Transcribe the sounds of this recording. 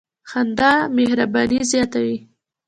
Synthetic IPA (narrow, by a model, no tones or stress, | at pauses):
xand̪ɑmehɾabɑnizjɑt̪awi